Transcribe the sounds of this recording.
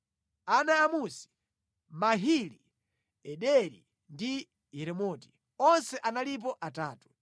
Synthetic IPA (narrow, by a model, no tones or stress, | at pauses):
anaːmusi̥ | maɦili | ɛɗɛɾḭ | ndi | ɛɾɛmɔːti̥ | ɔnsɛʔanalip̬ɔʔataːtu̥